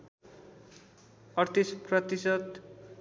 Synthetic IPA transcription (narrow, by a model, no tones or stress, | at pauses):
ʌrt̪isprʌt̪isʌt̪